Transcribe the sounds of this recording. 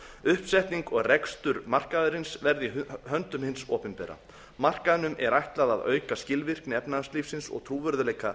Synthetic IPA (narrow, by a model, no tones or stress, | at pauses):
ʏhpsɛht̪niŋkɔɣrɛkst̪ʏɾmar̥kaðʏɾɪnsvɛɾðɪhœnt̪ʏmhɪnsɔ̰ːpɪnpɛːɾa̰ | mar̥kaðnʏmʔɛɾajht̪laðaðœ̰ːɥkascɪlvɪr̥knɪɛpnaðnsliːfsɪnsɔ̰ɣt̪ʰɾuːvœɾðʏlɛːjka